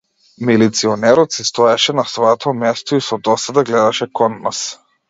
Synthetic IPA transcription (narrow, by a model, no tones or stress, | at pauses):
milit̪siɔnɛɾɔt̪sist̪ɔɛʃɛnasvɔɛt̪ʰɔmɛst̪ɔisɔd̪ɔsad̪aɡlɛd̪aʃɛkɔnːas